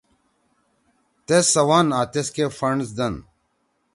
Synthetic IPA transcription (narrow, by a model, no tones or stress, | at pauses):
t̪esɐwaːnaːt̪eskefɐɳɖsd̪ɐn